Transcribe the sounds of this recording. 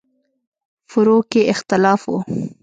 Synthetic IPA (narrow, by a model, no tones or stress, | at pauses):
fʊɾokeʔɪxt̪ɪlɑːfwo̰